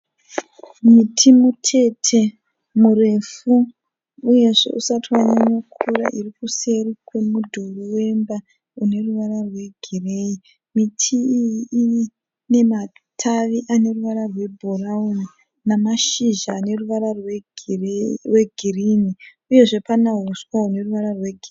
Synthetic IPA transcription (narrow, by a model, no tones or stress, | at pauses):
mitʰimutʰe̞tʰe̞ | mure̞fuː | je̞ʐe̞̰ʔusatiwaɲaɲokʰuɾa̰ʔirikuse̞rikwe̞mudʱoruwe̞mba | une̞ruʋaɾarwe̞ɡʱire̞i | mitʰiːjii | ne̞matʰaʋiʔane̞ruʋaɾarwe̞bʱorauni | namaʃiʒaːne̞ruʋaɾarwe | rwe̞ɡʱirini | uje̞ʐe̞panaɦuswaune̞ruʋaɾarwe̞ɡʱi